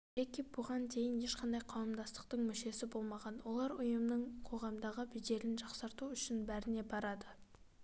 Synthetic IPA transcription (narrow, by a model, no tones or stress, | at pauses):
ekʲib̥ʊʁɑnt̪ʰe̞jɪne̞ʃqɑnd̪ɑjqʰɑwəmd̪ɑst̪ə̥q̚t̪əɴmʏʃe̞sɪbo̞lˠmɑʁɑnwo̞lˠɑɾʊjəmnəɴqʰo̞ʁɑmd̪ɑʁəbɪd̪e̞ɾɪnʒɑqsɑɾt̪uʏʃɪnbæɾɪne̞bɑɾɑd̪ə